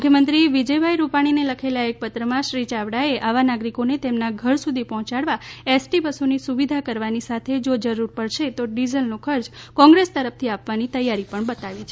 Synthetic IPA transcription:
ukʰjəmənt̪ɾiʋid͡ʒəjbʱaiɾupaɽ̃ineləkʰelaek̚pət̪ɾəmãʃɾit͡ʃaʋɽaeʔaʋanaɡɾikonet̪emnaɡʱəɾsud̪ʱipɔɦɔ̃t͡ʃaɽʋaesʈibəsunisuʋid̪ʱakəɾʋanisat̪ʰed͡ʒod͡ʒəɾuɾpəɽʃet̪oɖizəlnokʰəɾd͡ʒkɔ̃ŋɡɾest̪əɾəft̪ʰiapʋanit̪əjːaɾipəɳbət̪aʋit͡ʃʰe

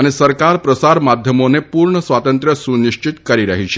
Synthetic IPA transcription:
aɽ̃isəɾkaɾpɾəsaɾmad̪ʱjəmonepuːɾɳəsʋat̪ənt̪ɾjəsuniɕt͡ɕit̪kəɾiɾə̰ɦiɕe̥

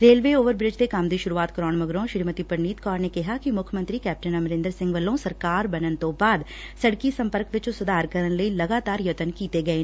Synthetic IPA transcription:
ɾeːlʋeoːʋəɾbɾɪd͡ʒt̪ekamd̪iʃʊɾuaːt̪kɾɔːɳmɐɡɾõʃɪɾmət̪ipəɾniːt̪kɔːɾnekɪɦakimʊkʰjəmə̃nt̪ɾikɛːp̚ʈənɐmɾɪ̃nd̪əɾsɪ̃ŋɡʋəlõsɐɾkaːɾbɐnənt̪obaːd̪ | sɐɽkisɐ̃mpəɾkʋɪt͡ʃosʊd̪aːɾkɐɾənləilɐɡaːt̪aːɾjɐt̪ənkiːt̪eɡɐeː

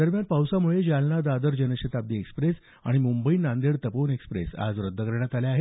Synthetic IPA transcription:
d̪əɾmjanpawsamuɭed͡ʑalnad̪ad̪əɾd͡ʑənəɕət̪ab̚d̪iːekspɾes | a̰ɽ̃imumbəiːnand̪eɽt̪əponekspɾḛsa̰d͡zɾəd̪ʱːəkəɾɳjat̪aleaɦe

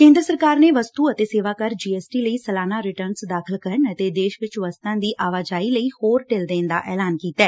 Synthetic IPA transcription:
kẽːnd̪ɾəsəɾkaːɾneːʋəst̪uːət̪eːseːʋaːkəɾd͡ʒiːɛːsʈiːləiːsəlaːnaːɾɪʈəɾnsd̪aːkʰəlkəɾənət̪eːd̪eːʃʋɪt͡ʃʋəst̪ãːd̪iːʔaːʋaːd͡ʒaːiːləiːhoːɾʈeld̪ẽːnd̪a̰ːʔɛːlaːnkiːt̪ɛː

